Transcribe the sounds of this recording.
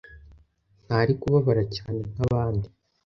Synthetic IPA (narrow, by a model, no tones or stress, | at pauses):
n̥haːɾikuβaβaɾacaːne̞n̥aβaːndi